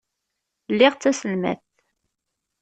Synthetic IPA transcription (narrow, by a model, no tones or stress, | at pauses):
lːɪʁt͡sːæsəlmæ̰θ